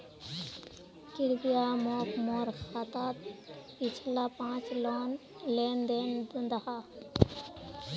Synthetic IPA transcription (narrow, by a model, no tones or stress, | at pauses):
kiɾbijamokmoɾxat̪at̪pit͡ʃʰlapãt͡ʃlɔn | lend̪end̪und̪aha